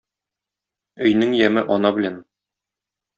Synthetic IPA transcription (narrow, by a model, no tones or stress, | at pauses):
ɵ̆jnɘŋjæmɘʔɒnɑbɘ̆læn